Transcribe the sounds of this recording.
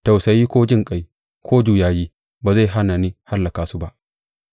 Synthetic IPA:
ta˨wsa˨jiː˦kʷoː˦d͡ʒɪ˦ŋkʼa˨j | kʷʰoː˦d͡ʒuː˨jaː˨jiː˦ | baː˨za˦˨jɦa˦na˨ni˦ha˦lːɐ˨kaː˨su˦ba˦ʔ

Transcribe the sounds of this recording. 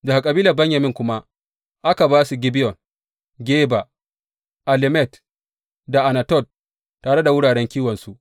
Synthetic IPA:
da˨ha˨kʼɐ˨biː˦lɐ˨bɛ˦ɲja˨mɪ˦ŋkʷʊ˦ma˦ | ʔa˦ka˨baː˦su˨ɡʲɪ˦bɪ˦jɔ˨n | ɡʲeː˦ba˨ | ʔa˨lɪ˦mɛ˦˨t | da˨ʔa˨na˨tɔ˦˨d̚ | tːaː˨ɽe˦da˨wʊ˦ɽaː˨ɽɛ˦ŋkʲiː˦wɐ˨nsu˦ʔ

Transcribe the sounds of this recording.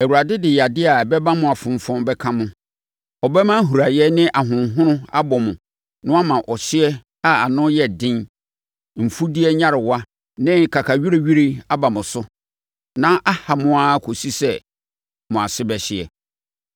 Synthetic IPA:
ɛ˨wu˨ɾa˨dɪ˦dɪ˨ja˨dɪ˦a˨bɛ˦bã˦mʊ̃˨a˨fʊ̃˨m˨fɔ̃˦mbɛ˦kʰã˦mʊ̃˦ | ɔ˨bɛ˦mã˦ɦu˨ɾa˨jɛ˦nɪ̃˦ʔa˨ɦʊ̃˨nɦʊ̃˦nʊ̃˦a̰˦bɔ˨mʊ̃˨ | nʊ̃˦a˦mã˨ʔɔ˨ɕɪ˦ɛ˦ | a˦a˨nʊ̃˦jɛ˨dɪ̃˦n | m̩˨fu˦di˦ɛ˦ɲã˦ɾɪ˨wa˦ | nɪ̃˦˨kʰa˨kʰa˨ɥi˦ɾe˦ɥi˦ɾi˦a˦ba˨mʊ̃˨sʊ˦ | nã˦ʔa˦ha˨mʊ̃˦a˦˨kʰo˨si˦sɛ˦˨ | mʊ̃˨a˨sɪ˦bɛ˨ɕɪ˨ɛ̰˨

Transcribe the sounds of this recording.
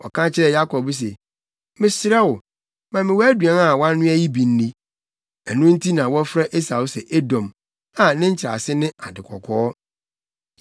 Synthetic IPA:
ɔ̰˨kʰã˦t͡ɕʰɪ˦ɾɛ˨ja˦kʰɔ˨bs̬ɛ˨ | mɪ̃˨sɪ˨ɾɛ˦wʊ˨ | mã˨mɪ̃˨wɔ˦æ˦dɥɛ̃˨na˨wã˦nː˦ʊ̃˦æ˦ji˦bĩ˨n̩˦nĩ˦ | ɛ˨nʊ̃˦n̩˦tʰi˦nã˨wɔ˦fɾa˦ʔe˦sa˨wsɛ˨ʔe˦dɔ̃˨m | a˨nɪ̃˦ɲ̩˦t͡ɕʰɾa̰˨sɪ˦nɪ̃˦a˨dɪ˨kʰɔ̰˨kʰɔː˦

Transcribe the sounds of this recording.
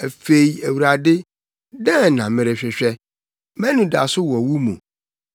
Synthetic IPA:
æ˨fe˦i˦æ˨wu˨ɾa˨dɪ˦ | dɛ̃˦˨nã˨mɪ̃˨ɾɪ˨ɕᶣɛ˨ɕᶣɛ˦ | mɛ̃˦nũ˨da˨sʊ˦wɔ˨wu˦mũ˨

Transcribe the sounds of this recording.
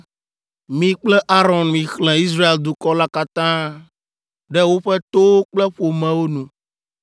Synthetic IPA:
mĩ˨k͡plɛ˦ʔa˦ɾɔ̃˨nmĩ˨xlɛ̃˨i˦s̬ɾa˦e˨ld̪u˨kɔ˦la˦ka˦t̪ã˦ | ɖɛ˦wo˦ɸɛ˦t̪o˦k͡plɛ˦ɸo˨mɛ̃˨wo˦nũ˨

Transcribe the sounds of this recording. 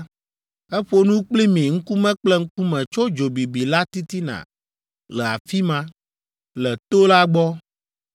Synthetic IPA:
ɛ˦ɸo˦nũ˦k͡pli˦mĩ˨ŋ̩˦ku˦mɛ̃˦k͡plɛ˦ŋ̩˦ku˦mɛ̃˨t͡ʃo˦d͡ʒo˨bi˨bi˨la˦t̪i˦t̪i˦nã̰˨ | lɛ˨a̰˨fi˦mã˦ | lɛ˨t̪o˦la˦ɡ͡bɔ˦

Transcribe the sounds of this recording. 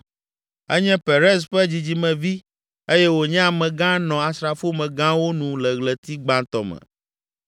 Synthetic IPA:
ɛ˦ɲɛ̃˦pe˨ɾɛ˦s̬ɸɛ˦d͡ʑi˨d͡ʑi˨mɛ̃˨vi˦ | e˦jɛ˦wo˨ɲɛ̃˦a˨mɛ̃˨ɡã˦nɔ̃˨a˨sɾa˨fo˦mɛ̃˨ɡã˦wo˦nũ˨lɛ˨ɣlɛ˨t̪i˦ɡ͡bã˦t̪ɔ˨mɛ̰̃˨

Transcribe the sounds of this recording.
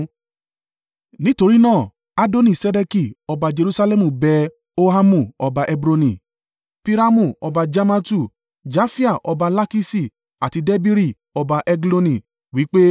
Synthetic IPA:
nĩ˦to˧ɾi˦nãː˦˨ | a˦do˦nĩ˨sɛ˧dɛ˧ki˨ɔ˧ba˧d͡ʒe˧ɾu˦sa˧lɛ˦mũ˨bɛ˧ | o˦ɦa˦mũ˨ɔ˧ba˧ʔɛ˧bɾo˧nĩ˨ | pi˦ɾa˦mũ˦˨ɔ˧ba˧d͡ʒa˦ma˦tu˦˨ | d͡ʒa˦fi˦a˦˨ʔɔ˧ba˧la˦ki˦si˨ | a˨ti˧dɛ˦bi˦ɾi˦˨ | ɔ˧ba˧ʔɛ˧ɡlo˧nĩ˨ | wi˨˦k͡pe˦

